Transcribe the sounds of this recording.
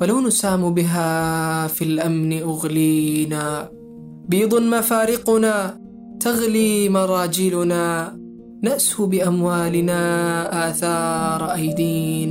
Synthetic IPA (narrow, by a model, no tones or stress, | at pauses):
walawnʊsaːmbɪɦaːfilʔamnɪʔʊɣliːnaː | biːd̪ˤʊnmafaːɾɪqʊnaː | t̪aɣliːmɑɾˤɑːd͡ʒɪlʊnaː | naʔshʊbɪʔamwaːlɪnaːʔaːθɑːɾˤʔajd̪iːn